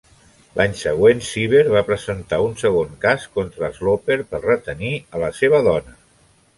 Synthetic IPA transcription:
lʔaɲsəɣwensiβ̞eɾβapɾəzənt̪aunsəɣ̞oŋkaskont̪ɾəzlopeɾpərət̪əniələseβ̞əðɔnə

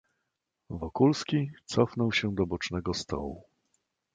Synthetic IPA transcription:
vɔkulskʲit̪sɔfnɔwɕɛd̪ɔbɔt͡ʂnɛɡɔst̪ɔ̰wṵ

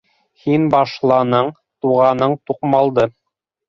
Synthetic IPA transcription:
hinbɑʃlˠɑnɤɴ | t̪uʁɑnɤɴt̪uqmɑlˠd̪ɤ

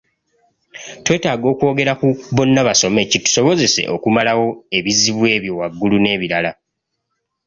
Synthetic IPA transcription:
twe̞ːtaːɡo̞ːkwo̞ːɡe̞ɾakuβo̞nːaβaso̞me̞citu̥so̞βo̞ze̞se̞̰ʔo̞kumalawo̞e̞βiziβwe̞ːβjo̞waɡːulune̞ːβiɾala

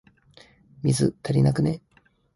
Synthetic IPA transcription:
mʲizɨt̪ʰaɾʲinakɯ̟ne

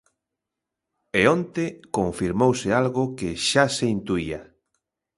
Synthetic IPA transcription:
eont̪ekoɱfiɾmowsɪalɣʊkɪʃaseint̪uia

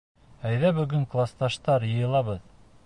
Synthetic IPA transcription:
æjðæbɵ̆ɡɵŋklˠast̪ɑʃt̪ɑɾjɤ̆jɤ̆lˠɑβɤð

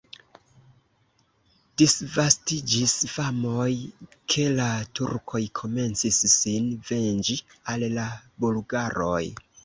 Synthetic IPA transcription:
d̥isvastid͡ʒisfamojkʰe̞latṵɾkʰo̞jkʰo̞me̞nt͡sisːinve̞nd͡ʒialːabulɡaɾo̞j

